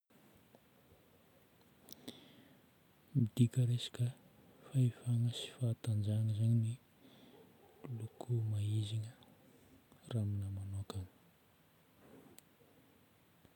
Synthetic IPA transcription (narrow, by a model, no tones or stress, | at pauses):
mid̪̥ikəɾesḁkə | faifaŋəsi̥faːt̪and͡ʒaŋəzaɲini | lukʰumaiziŋə | raminəmanokaŋ